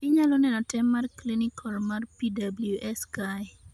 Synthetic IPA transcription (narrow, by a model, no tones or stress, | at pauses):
iɲalonɛnɔtɛmːarklinikʰɔlmarpidabljuʔɛskaj